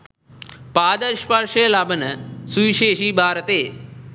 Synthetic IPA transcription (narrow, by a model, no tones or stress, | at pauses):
paːd̪əɾʃpaɾʃeːlaːbənəsuʋiʃeːʃiːbʱaːɾət̪eː